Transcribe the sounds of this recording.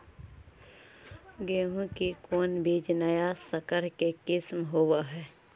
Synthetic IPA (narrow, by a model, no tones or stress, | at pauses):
ɡeːɦũkikoːnbiːd͡ʒnajasəkəɾkekɪsmɦoːwaɦɛː